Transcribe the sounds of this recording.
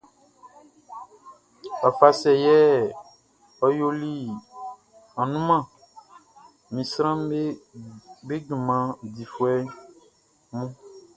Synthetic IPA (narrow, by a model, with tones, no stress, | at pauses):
a˨fa˨sɛ˨jɛ˦ | ɔ˦jo˦li˦ | ã˨nũ˦mã˦˨ | mĩ˨sɾã˦me˦ | be˦ɡi˨mã˨d̪i˨fwɛ˦ | mũ˦